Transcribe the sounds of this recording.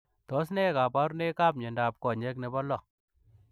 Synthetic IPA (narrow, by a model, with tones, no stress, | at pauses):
tɔ˦snɛ˦ka˨pa˦ɾne˦ka˦˨p̚ɲɛ˨nda˨p̚kɔ˨ɲɛ˦kne˨bɔ˦lɔ˦˨k